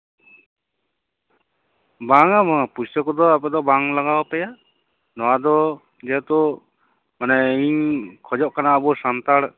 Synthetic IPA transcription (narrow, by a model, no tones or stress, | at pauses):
baŋamɔpussɔkɔd̪ɔapɛd̪ɔbaŋlaɡawapɛja | nɔwad̪ɔ | d͡ʒɛt̪ɔ | manɛiɲkʰɔd͡ʒɔʔkanaəbusant̪aɽ